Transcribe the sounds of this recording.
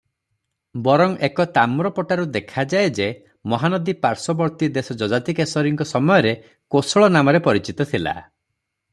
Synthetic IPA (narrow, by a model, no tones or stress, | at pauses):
bɔɾɔŋekɔt̪amɾɔpɔʈaɾud̪ekʰad͡ʒaed͡ʒe | mɔɦanɔd̪ipaɾsɔbɔɾt̪id̪esɔd͡ʒɔd͡ʒat̪ikesɔɾiŋkɔsɔmɔjɔɾe | kosɔɭɔnamɔɾepɔɾit͡ʃit̪ɔt̪ʰila̰